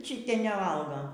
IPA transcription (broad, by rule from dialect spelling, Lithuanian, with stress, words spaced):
ˈt͡ʃʲɪtʲiɛ nʲɛˈʋɐlˠɡoː